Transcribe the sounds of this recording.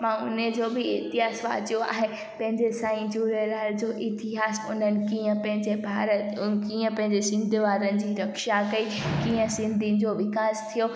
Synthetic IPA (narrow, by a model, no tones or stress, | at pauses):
mãʊned͡ʑoːbɪɪt̪ɪɦaːsʋa̰ːd͡ʑijoa̰ːɦe | pɐ̃ɦɪ̃ɲd͡ʑesãːĩd͡ʑuːɾəlaːɾd͡ʑoːʔɪt̪ɪɦaːsʊ̰n̤ənɪ̆kiːə̃pɐ̃ɦɪ̃ɲd͡ʑebʱaːɾət̪kiːə̃pɐ̃ɦɪ̃ɲd͡ʑesɪ̃nd̪ʱɪʋaːɾənɪ̆d͡ʑiːɾɐkʃakɐi | kiːə̃sɪ̃nd̪ʱin̆d͡ʑoʋɪkaːst̪ʰijo